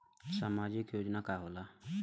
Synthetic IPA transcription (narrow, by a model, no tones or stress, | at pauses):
samad͡ʒikjod͡ʒnakaɦola